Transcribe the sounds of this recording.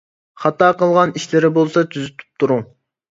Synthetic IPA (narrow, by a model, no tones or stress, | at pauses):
χɑt̪ɑːqəlˠʁɑniʃlɪɾɪbolˠsɑt̪ʰyzyt̪ʰy̥p̚t̪ʰuɾuŋ